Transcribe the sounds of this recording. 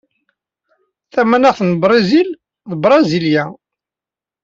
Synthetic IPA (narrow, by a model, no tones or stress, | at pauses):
θæmænæʁθənbɾˤɑzil | ðbɾˤɑziljæ